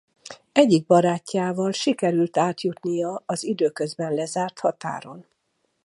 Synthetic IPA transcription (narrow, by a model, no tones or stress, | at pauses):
ɛɟːiɡ̚bɒɾaːcʰːaːvɒlʃikɛɾylt̪aːt̪jut̪nijɒɒzid̪øːkø̞zbɛnlɛzaːrt̪hɒt̪a̰ːɾo̞n